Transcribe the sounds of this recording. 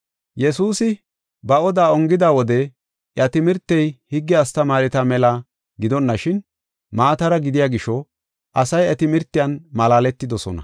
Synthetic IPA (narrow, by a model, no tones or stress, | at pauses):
jɛs̬uːsɪ | bɐɔd̪aːɔŋɡɪd̪awɔd̪ɛ | ʔjɐt̪ɪmɪɾt̪ːɛjhɪɡːɛɐst̪ɐmaːɾɪt̪ɐmɛla | ɡɪd̪ɔnːɐʃɪn | maːt̪ɐɾɐɡɪd̪ɪjaːɡɪʃɔ | ʔɐsɐjɐt̪ɪmɪɾt̪ːɪjɐnmɐlaːlɛt̪ːɪd̪ɔsɔ̰nɐ̰